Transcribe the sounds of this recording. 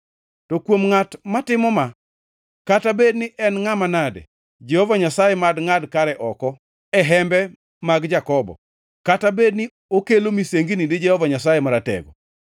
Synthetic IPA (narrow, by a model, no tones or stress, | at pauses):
tɔkwomŋatmatɪmɔma | katabednɪʔɛnŋamanadḛ | d͡ʒɛhɔvaɲasajɛmadŋadkaɾɛʔɔkɔ | ɛɦɛmbɛ | maɡd͡ʒakɔbɔ̰ | katabedni | okelomiseŋɡinidɪd͡ʒɛhɔvaɲasajɛmaɾatɛ̰ɡɔ̰